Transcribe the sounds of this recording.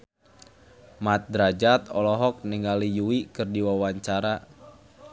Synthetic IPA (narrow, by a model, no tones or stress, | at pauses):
mat̪̚dɾad͡ʒat̪ɔlɔɦɔk̚niŋalijuwikɨrdiwawaɲt͡ʃaɾa